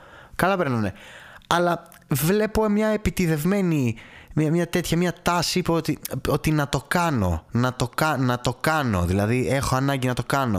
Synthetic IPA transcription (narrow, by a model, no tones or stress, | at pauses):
kɐlɐpe̞ɾnɐneɐlɐ | vle̞po̞mɲɐepit̪iðe̞vme̞nimɐmɲɐt̪e̞t̪çɐmɲɐt̪ɐspoot̪iot̪inɐt̪o̞kɐno̞̰nɐt̪o̞kɐnɐt̪o̞kɐno̞̰ðilɐðie̞xo̞ɐnɐɲɟinɐt̪o̞kɐno̞